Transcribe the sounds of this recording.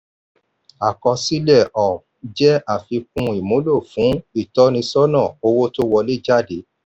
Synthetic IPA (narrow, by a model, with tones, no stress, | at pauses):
a˨kɔ˧si˦lɛ˦˨ʔɔ˨ | d͡ʒɛ˦a˦˨fi˧kũ˧i˨mõ˨˦lo˦˨fũ˨˦i˦˨tɔ˦nĩ˧sɔ˦nɔ̃˦˨o˧wo˦to˦wɔ˧le˦d͡ʒa˦de˨˦